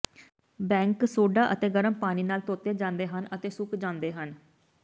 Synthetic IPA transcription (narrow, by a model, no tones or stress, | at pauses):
bɛ̃ːŋksoːɖaːʔət̪eːɡəɾəmpaːñiːnaːlt̪oːt̪eːd͡ʒãːnd̪eːɦənət̪eːsʊkd͡ʒãːnd̪eːɦən